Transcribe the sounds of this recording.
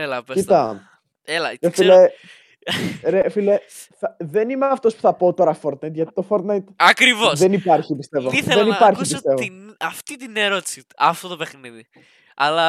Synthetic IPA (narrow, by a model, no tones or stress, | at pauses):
elɐpecit̪ɐ | elɐefile | ɾefile | θɐðenimeɐft̪o̞spu̥θɐpoːt̪o̞ɾɐfoɾt̪nɐjt̪ʝɐt̪i̥t̪o̞foɾt̪nɐjt̪ɐkɾivosðenipɐɾçipist̪e̞voiθelðenipɐɾçispit̪e̞voiɐft̪it̪ineɾot̪i̥si | ɐft̪ot̪opexniði | ɐlɐ